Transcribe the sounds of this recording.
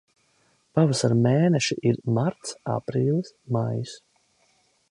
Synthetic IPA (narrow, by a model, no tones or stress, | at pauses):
pavasaɾmeːnɛʃiʔiɾmaɾt̪sa̰pɾiːlˠɨsmajis